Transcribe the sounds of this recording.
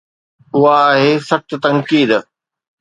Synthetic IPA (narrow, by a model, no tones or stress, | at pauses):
ʊɦaːɦesɐʈ̪̆t̪ɐ̃ŋkiːd̪